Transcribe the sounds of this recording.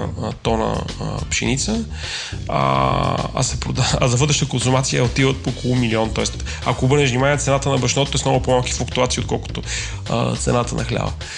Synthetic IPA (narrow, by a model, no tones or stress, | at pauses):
t̪ɔnə̰pʃḭnit̪sə | a̰a̰sɛpɾod̪aɐ̰zɐvɤd̪ɾɛʃət̪əkonsumat̪sijəot̪ivət̪̚pookolˠʊmiliɔnt̪ɔɛst̪ | ɐkoːbɤɾnɛʃvnimaniɛt̪sɛnat̪ənɐbɐʃnɔt̪ot̪ːɛsmnɔɡʊpoɔmalˠki̥fɐkt̪uat̪siot̪̚kɔ̰lˠkʊ̥t̪ʊ | ə̰t̪sɛ̰nat̪ənɐxlʲa̰və̰